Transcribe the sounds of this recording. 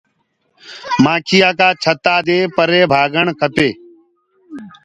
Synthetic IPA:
mãːkʰɪjaːkaːt͡ʃʰət̪aːd̪eːpəɾeːbʱaːɡəɳkʰəpeː

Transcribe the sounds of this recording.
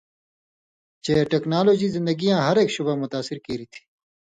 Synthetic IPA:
t͡ʃeːʈeːknaːloːd͡ʑiːzɪ̃nd̪əɡijãːɦɐɾeːkʃubamʊt̪aːsɪɾkiːɾit̪ʰi̥ː

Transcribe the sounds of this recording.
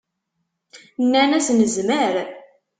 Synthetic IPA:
nːænæsnəzməɾ

